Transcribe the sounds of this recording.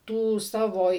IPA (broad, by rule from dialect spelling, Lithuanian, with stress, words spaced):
ˈtuː ˈsɑːʋoː